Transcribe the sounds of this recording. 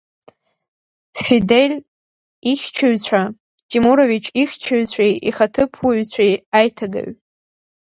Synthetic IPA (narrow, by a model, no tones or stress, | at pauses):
fidelʲ | iχʲt͡ʃʰɪɥt͡ɕʷʰa | tʰimuɾovit͡ʃʰiχʲt͡ʃʰɪɥt͡sʷʰejiχatʰɨpʰwaɥt͡sʷʰejajtʰaɡa̰ɥ